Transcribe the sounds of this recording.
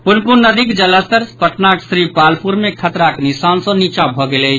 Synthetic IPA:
punpunnːəd̪ikd͡ʒələst̪əɾspəʈnaksɾipalpʰuɾmekʰət̪ɾaknisansɔ̃nit͡ʃabʱɔɡelə

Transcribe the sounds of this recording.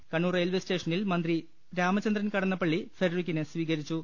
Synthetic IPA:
kɐɳːuːreːlʋeste̞ːʂɐnilmɐnd̪ri | ɾaːmɐt͡ɕːɐnd̪rɐnkɐɽɐnːɐpːɐɭːifeɾɐrikʲːinesʋiːɣɐɾit͡ɕːu

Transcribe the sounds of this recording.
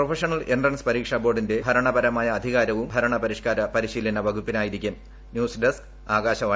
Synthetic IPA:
profʰɐʂɐɳɐlendrɐnspɐɾiːkʂabo̞ːrɖinde̞bʱɐɾɐɳɐbɐɾɐmaːjɐːd̪ʱiɣaːɾɐʋumbʱɐɾɐɳɐpɐɾiʂkaːɾɐpɐɾiɕiːlɐnɐʋɐɡʱupːinaːjiɾikʲːum | njuːsɖesk | aːɣaːɕɐʋaː

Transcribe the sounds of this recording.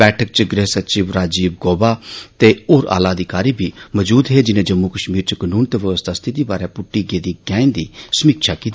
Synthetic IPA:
ɛːʈʰək̚t͡ʃəɡɾeːɦsət͡ʃiːʋɾaːd͡ʒiːb̚ɡoːbat̪eoːɾa̰ːlaəd̪ikaːɾibʱiːməd͡ʒuːd̪ɦed͡ʒɪnẽːd͡ʒɐmːukəʃmiːɾt͡ʃəkənuːnt̪eʋəʋəst̪ʰaːst̪ʰid̪iːbaːɾepʊʈːiɡeːd̪iːɡɛ̃ːɪ̃nd̪iːsəmiːkʃʰakit̪ː

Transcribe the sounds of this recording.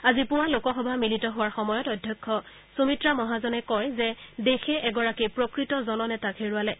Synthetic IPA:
azipʊwalokɔxɔbʱamilitɔɦʊwaɹxɔmɔjɔtɔdʱjɔkʰːɔ | somitɹamɔɦazɔnɛkɔjzɛdexɛʔɛɡɔɹakipɹokɹitɔzɔnɔnɛtakʰeɹualɛ

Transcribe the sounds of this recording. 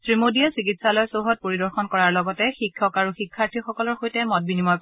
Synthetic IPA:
sɹimodijasikitsalɔjsoɦɔt̚poɹidɔɹxɔnkɔɹaɹlɔɡɔtɛxikʰːɔkaɹuxikʰːaɹtʰixɔkɔlɔɹxojtɛmɔt̚binimɔj

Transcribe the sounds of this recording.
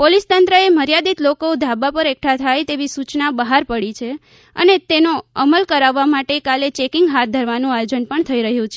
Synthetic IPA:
polist̪ənt̪ɾəeməɾjad̪it̪lokod̪ʱabapəɾek̚ʈʰat̪ʰajt̪eʋisut͡ʃnabəɦaɾpəɽit͡ʃʰe | ə̰net̪enoəməlkəɾaʋːamaʈekalet͡ʃekɪŋɡɦat̪̚d̪ʱəɾʋanũajod͡ʒənpəɳt̪ʰəiɾəɦjũt͡ʃʰe

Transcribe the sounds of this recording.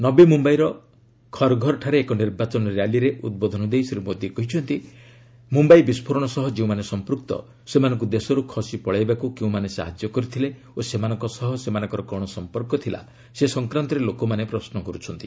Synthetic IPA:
nɔbimumbaiɾɔ | kʰɔɾɡʱɔɾɔʈʰaɾeːkɔniɾbat͡ʃɔnɔɾjaliɾeʔud̪̚bɔd̪ʱɔnɔd̪ejsiɾumod̪jikɔɦit͡ʃʰɔnt̪i | mumbajbispʰoɾɔɽ̃ɔsɔɦɔd͡ʒeũmanesɔmpɾukt̪ɔ̰ | semanɔŋk̬ud̪esɔɾukʰɔsipɔɭajbakukeũmanesa̰ɦad͡ʒjɔkɔɾit̪ʰile | osemanɔ̃ŋkɔsɔɦɔsemanɔ̃ŋkɔɾɔkɔɽ̃ɔsɔmpɔɾkɔt̪ʰila̰ | sesɔŋkɾant̪ɔɾelokɔmanepɾɔsnɔkɔɾut͡ʃʰɔnt̪i̥

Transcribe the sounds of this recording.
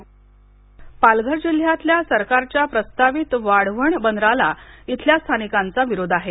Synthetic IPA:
palɡʱəɾd͡ʑil̤jat̪ljasəɾkaɾt͡ɕjapɾəst̪aʋit̪ʋaɽʋəɳbənd̪ɾalait̪ʰljast̪ʰanikant͡saʋiɾod̪ʱaɦe

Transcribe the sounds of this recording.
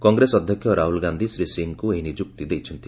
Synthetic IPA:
kɔŋɡɾesɔd̪ʱjɔkʰːjɔɾaɦulɡand̪ʱisɾisiŋkueɦinid͡ʒuk̚t̪id̪ejt͡ʃʰɔnt̪i

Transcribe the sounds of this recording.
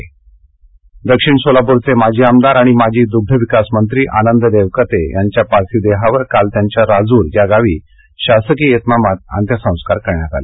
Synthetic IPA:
d̪əkɕiɳsolapoɾt͡semad͡ʑʱiːamd̪aɾaɽ̃imad͡ʑʱiːd̪uɡ̚d̪ʱəʋikasmənt̪ɾiːʔa̰nənd̪əd̪eʋkət̪ejaɲt͡ɕjapaɾt̪ʰiːd̪eɦaʋəɾkalt̪jaɲt͡ɕjaɾad͡zuːɾjaɡaʋiː | ɕasəkiːet̪namat̪̚a̰nt̪jəsə̃w̃skaɾkəɾɳjat̪a̰le

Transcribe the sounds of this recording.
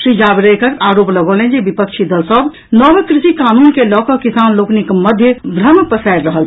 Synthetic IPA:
ʃɾid͡ʒaːbɾekəɾaːɾoːpləɡolẽnd͡ʒebipəkʃʰid̪əlsəb | nɔbəkɾɪsikaːnuːnkelɔːkɔkisaːnloːknikməd̪ʱjəbɾəmpəsajɾɾəɦəl

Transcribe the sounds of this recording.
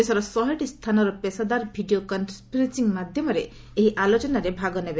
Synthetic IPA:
esɔɾɔsɔɦeʈist̪ʰanɔɾɔpesad̪aɾbʱiɖiokɔnspiɾesiŋmad̪ʱjɔmɔɾeː | ɦiʔalot͡ʃɔnaɾebʱaɡɔnebe

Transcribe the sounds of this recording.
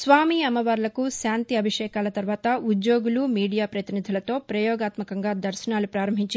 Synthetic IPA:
sʋaːmiɐmɐʋaːɾlɐkuʃaːnt̪iɐbʱiʂɛːkaːlɐt̪ɐɾʋaːt̪ɐud̪jo̞ːɡulumiːɽijaːpɾɐt̪inid̪ʱilɐt̪o̞ːpɾɐjɔːɡaːt̪mɐkɐŋɡaːd̪ɐɾʃɐnaːlupɾaːɾɐmbʱiɲt͡ʃ

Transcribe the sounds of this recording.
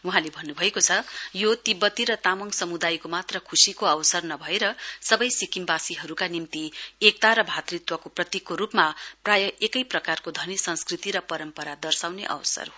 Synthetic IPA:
wuɦãlebʱʌnːubʱʌekot͡sʰʌjot̪ibʌt̪ːiɾʌt̪amʌŋsʌmud̪ajkomat̪rʌkʰusikoʌwsʌrnʌbʱʌeɾʌsʌbʌjsikimbasiɦʌɾukanimt̪iek̚t̪aɾʌbʱat̪rit̪wʌkoprʌt̪ikːoɾupmaprajʌʔekʌjprʌkarkod̪ʱʌnisʌnskrit̪iɾʌpʌɾʌmpʌɾad̪ʌrsawneʔʌ̰wsʌ̰r

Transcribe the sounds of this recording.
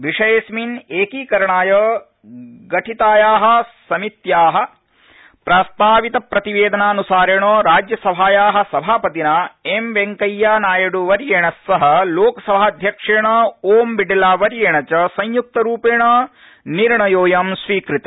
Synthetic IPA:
ʋiʂɐjesmineːkiːkɐɾɐɳaːjɐ | ɡɐʈʰit̪aːjaːɦɐ̆sɐmit̪jaːɦɐ̆ | pɾast̪aːʋit̪ɐpɾɐt̪iʋeːd̪ɐnaːnusaːɾɐɳoːɾaːd͡ʒjɐsɐbʱaːjaːɦɐ̆sɐbʱaːpɐt̪inaemʋeŋkɐjːaːnaːjɐɽuʋɐɾjeːɳɐsːɐɦɐ̆loːkɐsɐbʱaːɐd̪ʱjɐkʂeːɳɐoːmbiɖɐlaːʋɐɾjeːɳɐt͡ʃɐsɐɲjuk̚t̪ɐɾuːpeːɳɐ | niɾɳɐjoːjamsʋiːkɾit̪ɐ

